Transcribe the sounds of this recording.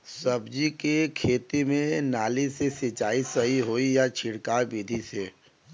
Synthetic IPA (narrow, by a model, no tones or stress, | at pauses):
sɐbd͡ʒikekʰeːt̪imẽnaːlisesɪt͡ʃaːisɐɦiɦoːijat͡ʃʰɪɽkaːɾbiːd̪ʱiseː